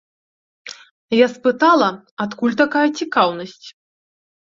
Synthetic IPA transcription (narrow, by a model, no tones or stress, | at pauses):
jaspɨt̪alˠɐ | at̪kulʲt̪akajɐt͡sʲikawnɐsʲt͡sʲ